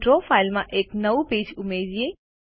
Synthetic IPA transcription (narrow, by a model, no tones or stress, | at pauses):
ʈɾoːfʰaːɪlmãʔeːknɐʋupeːd͡ʒʊmeːd̪ie